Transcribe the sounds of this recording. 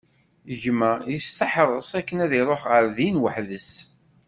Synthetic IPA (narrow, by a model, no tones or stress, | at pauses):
əʒməjist̪əħɾˤəsˤækːənæðiɾˤoħʁəɾðinwəħðəs